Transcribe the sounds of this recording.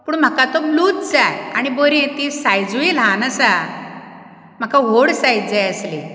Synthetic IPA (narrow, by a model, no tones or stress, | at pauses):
puːɳm̤akat̪ɔbluːt̪d͡zaja̰ɽ̃iboɾẽt̪isajd͡zuilãnəsa | m̤akaɦoɽsaj̪d͡zajəsli